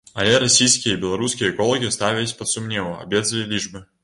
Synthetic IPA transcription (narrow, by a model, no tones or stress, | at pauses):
ɐlʲɛɾasʲijskʲijɐibʲɛlˠɐɾuskʲijɐɛkɔlˠɐɣʲist̪avʲilʲisʲpɐt̪sumnʲɛvɐa̰bʲɛd̪zɐlʲilʲiʐbɨ